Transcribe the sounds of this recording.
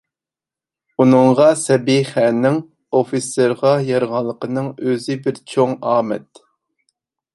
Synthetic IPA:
unɨɴʁɑsɛbiχænːɪŋ | ofiseɾʁɑjɑɾʁɑlˠːəqənɨŋøzɪbɪɾt͡ʃʰoŋɑːmɛ̰t̪

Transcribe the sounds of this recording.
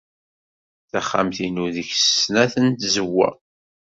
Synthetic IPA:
θæχːa̰mθinuðəçsəsnæθənt̪zəwːæ̰

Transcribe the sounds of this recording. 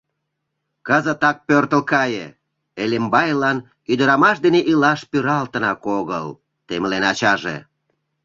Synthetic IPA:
kəzət̪ɑk̚pørt̪əlkɑjḛ | elembɑjlɑn | yd̪əɾɑmɑʃd̪eneʔilɑʃpyɾɑlt̪ə̆nɑkoɣəl | t̪emlenɑt͡ɕɑʒḛ

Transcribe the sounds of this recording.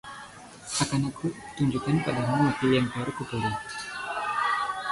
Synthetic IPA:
akanakʰuə̥t̪uɲd͡ʒukanpadamuakiljaŋpɔɾkupuɾi

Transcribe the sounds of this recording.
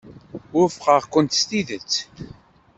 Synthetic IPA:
ʊɾfqəʁkʷənt̪st̪iðət͡sː

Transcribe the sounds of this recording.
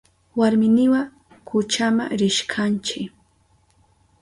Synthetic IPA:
waɾmɪnɪwa | kʊt͡ʃama̰ɾɪʃkʰant͡ʃɪk

